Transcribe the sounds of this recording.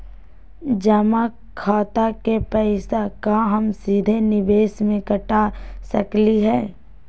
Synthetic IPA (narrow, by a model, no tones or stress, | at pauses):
d͡ʒəma | kʰaːt̪akepɛɪsakaɦɐmsiːd̪ʱenɪʋeːsmẽkɐʈasɐ̰kliɦɛː